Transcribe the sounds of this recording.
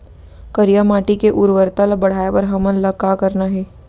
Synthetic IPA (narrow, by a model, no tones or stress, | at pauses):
kəɾijamaːʈikeʔʊɾʋəɾt̪alabɐɽ̤aːepɐɾɦɐmənlɐkːaːkɐɾnaɦɛː